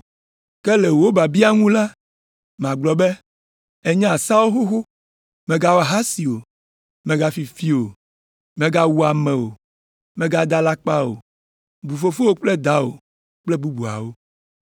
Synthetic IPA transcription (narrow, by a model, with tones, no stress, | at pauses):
kɛ˦le˨wo˦ba˨bi˦a˦ŋũ˦la˦ | m˨ã˨ɡ͡blɔ˨bɛ˦ | e˦ɲã˦a˨sa˦wo˦xo˦xo˦ | mẽ˨ɡa˦wa˨ɦa˦si˨o˨ | mẽ˨ɡa˦fi˨fi˦o˨ | mẽ˨ɡa˦wu˦a˨mɛ̃˨wo̰˨ | mẽ˨ɡa˦d̪a˨la˦k͡pa˦o̰˨ | bu˨fo˦fo˦wo˦k͡plɛ˦d̪a˦o̰˨ | k͡plɛ˦bu˦bu˨a̰˨wo˦